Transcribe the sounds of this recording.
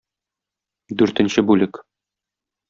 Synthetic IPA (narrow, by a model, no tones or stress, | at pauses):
d̪ʉɾt̪ɘ̆nɕɘbʉlɘk